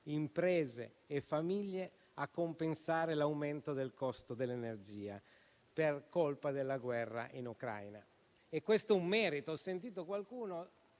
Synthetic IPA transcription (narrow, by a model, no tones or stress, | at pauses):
impɾɛːzḛː | fːamiʎːe | akːompensaːɾelawment̪od̪elkɔst̪od̪elːenerd͡ʒiːa̰ | perkolpad̪elːaɡwɛrːa̰ʔinukɾa̰jna | ekːwest̪ɛumːɛːɾit̪oɔsːent̪̬iːt̪okwalkuːno